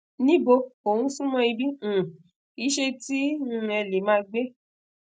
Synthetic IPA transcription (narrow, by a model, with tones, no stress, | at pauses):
nĩ˦bo˧o˨wũ˨˦sũ˦mɔ̃˧i˧bĩ˦˨ | i˨˦ʃe˧ti˦n̩˧ɛ˧le˨˦mãː˦ɡ͡be˦